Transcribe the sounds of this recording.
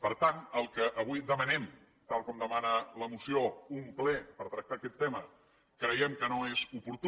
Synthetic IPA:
pəɾt̪anəlˠkəʔəβ̞ujðəmənɛm | t̪alˠkɔmd̪əmanələmusioumplɛpəɾt̪ɾək̚t̪aːkɛt̪ːemə | kɾəjɛmkənoezupuɾt̪

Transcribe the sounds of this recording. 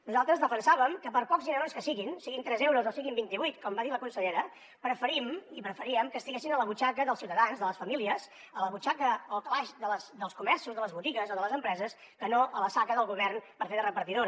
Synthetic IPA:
nuzalˠt̪ɾəzðəfənsaβəmkəpəɾpɔkzinəɾonskəsiɣinsiɣint̪ɾɛzewɾuzosiɣimbint̪iβujt̪kɔmbaðiləkunsəʎeɾə | pɾəfəɾimipɾəfəɾiəmkəst̪iɣesinələβut͡ʃakəðəlˠsiwt̪əðanzðələsfəmiliəs | ələβut͡ʃakəəlˠklaʃd̪ələsd̪əlˠskumɛɾsuzðələzβut̪iɣəzoðələzəmpɾɛzəs | kənoʔələsakəðəlˠɣuβɛrnpəɾfeðərəpəɾt̪iðoɾ

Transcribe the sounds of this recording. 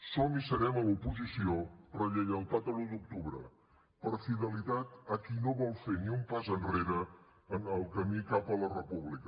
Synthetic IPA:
sɔmisəɾɛməlupuzisiorrəʎeʎəlˠt̪at̪əlud̪uk̚t̪uβɾə̰ | pəɾfiðəlit̪at̪əkinoβɔlˠfeniumpazənreɾəː | nəlˠkəmikapələrəpuβlikə

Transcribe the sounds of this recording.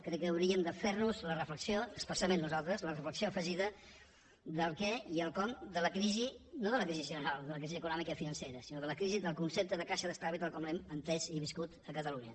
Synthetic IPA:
kɾɛkːəːwɾiəmd̪əfernuzlərəfləksioəkspəsamẽnːuzalˠt̪ɾəzlərəfləksioəfəʒiðə | d̪əlˠkɛiəlˠkɔmd̪ələkɾizinoðələkɾiziʒənəɾalˠd̪ələkɾiziəkunɔmikəifinənseɾəsinoðələkɾiziðəlˠkunsep̚t̪əðəkaʃəðəst̪aβit̪alˠkɔmlɛmənt̪ɛziβiskut̪əkət̪əluɲə

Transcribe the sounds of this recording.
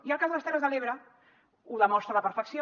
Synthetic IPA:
iəlˠkazðələst̪ɛrəzðəleβɾə | uðəmɔst̪ɾələpəɾfəksio

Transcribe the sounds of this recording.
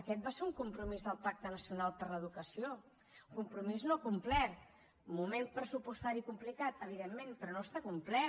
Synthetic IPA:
əkɛt̪̚baseɾuŋkumpɾumizðəlˠpak̚t̪ənəsiunalˠpəɾləð̞ukəsio | kumpɾumiznokumplɛɾ | mumenpɾəsupust̪aɾikumplikat̪əβ̞iðemːẽnpɾɔnoəst̪akumplɛ

